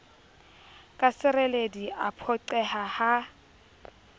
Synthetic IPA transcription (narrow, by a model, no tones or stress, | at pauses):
kʼasɪrɛlediapʰɔǀɛhaha